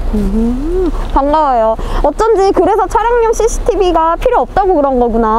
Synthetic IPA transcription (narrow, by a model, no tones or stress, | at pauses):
ɯ | paŋɡawajoʌt͈ʌnd͡ʑikɯɾe̞sʰʌt͡ɕʰaɾjaŋɲoŋɕ͈ʰiɕʰi̥tʰibiɡapʰiɾjoʌp̚t͈aɡokɯɾʌnɡʌɡuna